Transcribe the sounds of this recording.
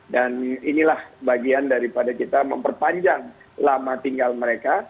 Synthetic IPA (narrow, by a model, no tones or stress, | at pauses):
daninilahbaɡiandaɾipadakit̪amə̰mpərpaɲd͡ʒaŋ | lamat̪iŋɡalməɾeka